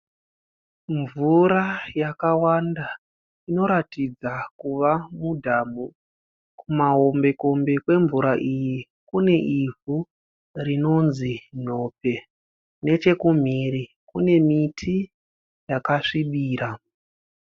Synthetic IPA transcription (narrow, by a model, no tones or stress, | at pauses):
ɱvuɾajakawanda | ino̞ɾatid͡zakuʋamudʱaːmu | kumaɦo̞mbe̞ko̞mbe̞kwe̞ɱvuɾaʔiji | kune̞ʔivu | rino̞nzino̞pe̞ | ne̞t͡ʃe̞kum̤iri | kune̞mitʰi | jakaʂiɓiːɾa